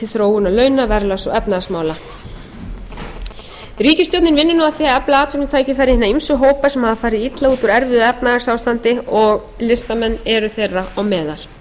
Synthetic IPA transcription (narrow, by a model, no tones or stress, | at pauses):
ɪlθɾoːwʏnalœːɥnavɛɾlasɔ̰ɣɛpnaasmaːwla | ɾiːcʏst̪jɔwt̪nɪnvɪnːʏnaaθviːaɛplaaːt̪vɪnʏt̪ʰaːjcɪfaːɾɪhɪnːaimsʏɦoːwpasɛmhaðafaːɾɪðiit̪lauːt̪ʏɾɛɾvɪðʏɛpnaɣasaːwst̪ant̪ɪɔɣ | lɪst̪amɛnːɛɾʏθejrːaɔwmɛːðal̥